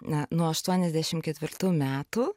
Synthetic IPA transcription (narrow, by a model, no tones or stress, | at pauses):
ɐnuɔɐʃt̪uɔnʲɛzʲd̪ʲæːʃʲɪmkʲɛt̪ʲʋʲɪɾt̪uːmʲæːt̪uː